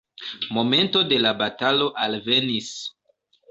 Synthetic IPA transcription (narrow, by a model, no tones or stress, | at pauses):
mo̞me̞nto̞de̞labatalo̞ʔalve̞nis